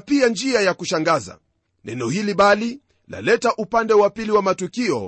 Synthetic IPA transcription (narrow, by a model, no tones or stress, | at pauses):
piand͡ʒiajakuʃaŋɡaza̰ | nʔɛ̰nɔhiliɓali | la̰lɛtaʔupandɛwapiliwamatukiɔ̰